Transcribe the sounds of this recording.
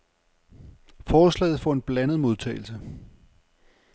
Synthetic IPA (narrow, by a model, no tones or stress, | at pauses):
fɒːslɛ̰ɪð̞̩ˠfɒe̝nb̥lænð̞̩ˠmo̝ð̞ˠt͡sʰɛ̰ːɪlsə